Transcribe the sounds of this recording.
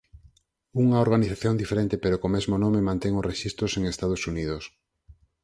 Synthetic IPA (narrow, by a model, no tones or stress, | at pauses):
uŋɐoɾɣaniθaθjond̪ifeɾent̪epeɾokomezmonõmemãnt̪eŋʊsreʃist̪ɾʊseŋest̪að̞osuniðos